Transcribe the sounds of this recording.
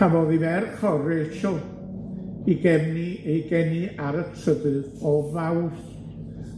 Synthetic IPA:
avɔðivɛrkʰɔreʃɔ | iɡɛmniejɡɛniaɾətʰəbɨðɔvawɬ

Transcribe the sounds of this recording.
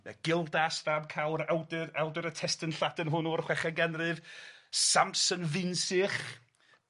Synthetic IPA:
mɛ̰ɡ̥ɪlˠdasðabkʰawɾawdɾawdɨɾətʰɛstənɬadənɦʊnurχwɛχaɡɛnrɨvsampsənvɪnsɪχ

